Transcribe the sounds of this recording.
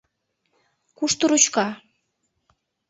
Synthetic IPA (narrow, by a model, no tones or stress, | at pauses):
kuʃt̪uɾut͡ɕkɑ